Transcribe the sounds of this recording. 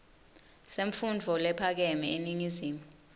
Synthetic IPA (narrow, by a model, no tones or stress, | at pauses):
seɱfund͡vʱɔlɛpʰak̬ɛmɛeniŋiziːmu